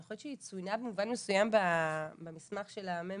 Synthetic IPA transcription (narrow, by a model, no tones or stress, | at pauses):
eχolett͡ʃʃeit͡sujnabemuvanmesujambabemismaχʃe̞lame